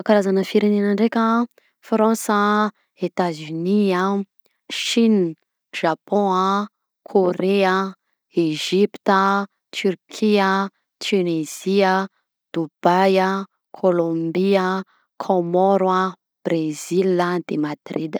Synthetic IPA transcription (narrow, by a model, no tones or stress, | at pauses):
kaɾazanəfiɾenenəɳɖ͡ʐekʲə | fɾɑ̃sə | et̪azynia | ʃin | ʒ̥apʰɔ̃ | kʰoɾeə | eʒipt̪ə | t̪yrkʰiə | t̪ʰyneziə | d̪̥ubajə | kʰolõmbiə | kʰomɔɾwa | b̥rezilad̪̥emad̪̥rid̪